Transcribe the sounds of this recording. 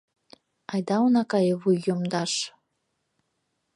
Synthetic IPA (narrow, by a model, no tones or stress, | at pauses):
ɑjd̪ɑunɑkɑjəβujːomd̪ɑʃ